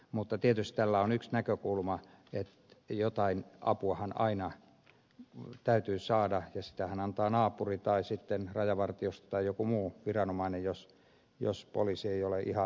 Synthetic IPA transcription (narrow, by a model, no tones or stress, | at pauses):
mut̪ːɑt̪iet̪yst̪t̪ælːæonyksnækøkulmɑ | et̪ | jot̪ɑinɑ̰puɑhɑnɑ̰inɑ | t̪æyt̪yːsɑːdɑjɑsi̥t̪æhænɑnt̪ɑːnɑːpurit̪ɑisit̪ːenrɑjɑʋɑrt̪iost̪ɑ̥t̪ɑijjokumuːʋirɑnomɑinejjos | jo̰spo̰lisieioleʔihɑ